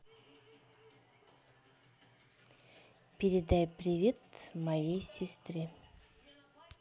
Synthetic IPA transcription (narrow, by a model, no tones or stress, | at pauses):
pʲɪɾʲɪd̪ajpɾʲɪvʲet̪mɐjejsʲɪst̪ɾʲɪ